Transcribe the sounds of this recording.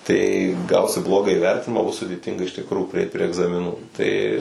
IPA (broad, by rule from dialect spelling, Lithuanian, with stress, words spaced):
tɐɪ ˈɡɐʊsʲɪ ˈblˠoːɡɑː iːˈʋʲɛrʲtʲɪnʲɪmɑː ˈbʊs sʊdʲeːˈtʲɪŋɡɐ ɪʃ tʲɪkˈruː pʲrʲɪˈɛɪt pʲrʲiɛ ɛɡzɐmʲɪˈnuː ˈtɐɪ